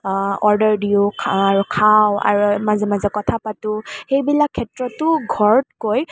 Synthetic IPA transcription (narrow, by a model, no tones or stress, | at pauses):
ɔɹdɔɹdiʊaɹukʰawa̰ɹumazɛmazɛkɔtʰapatʊxejbilakʰːɛtɹɔtʊɡʱɔɹt̚koj